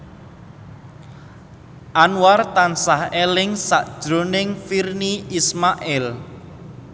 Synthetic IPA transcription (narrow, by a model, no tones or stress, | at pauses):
ʔanwart̪ansahelɪŋsa̰ʔd̥ʒ̥ɾonɪŋfirniismaʔɛl